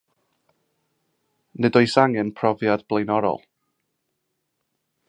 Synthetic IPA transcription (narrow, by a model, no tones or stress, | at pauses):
nɨdɔjsaŋɨnpʰrɔvjadb̥lˠejnɔɾɔ̰lˠ